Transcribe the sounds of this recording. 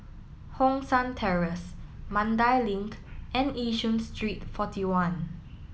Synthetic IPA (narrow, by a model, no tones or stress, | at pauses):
hɔ̃ŋsãntʰɛɹəsmãndaɪlĩŋkʔɛ̃niʃə̃nstʰɹitfɔtiwãn